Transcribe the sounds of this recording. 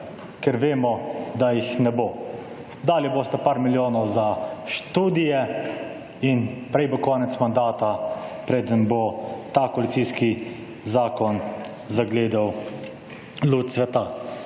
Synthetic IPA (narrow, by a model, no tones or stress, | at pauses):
kɛɾʋeːmɔd̪ajixnɛbo | d̪aːljɛboːst̪apaːɾmiljoːnɔwzaʃt̪uːd̪ijɛ | inpɾɛjbokɔːnɛt̪smand̪aːt̪apɾeːd̪ənbot̪akɔlit̪sijski | zaːkɔn | zaɡleːd̪aw | lut̪sʋɛt̪a